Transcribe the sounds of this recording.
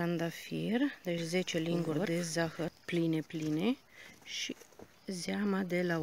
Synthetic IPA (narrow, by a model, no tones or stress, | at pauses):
and̪afird̪et͡ʃʲze̞t͡ʃeliŋɡurd̪ezaxərplinepline | ʃi | zeamad̪ela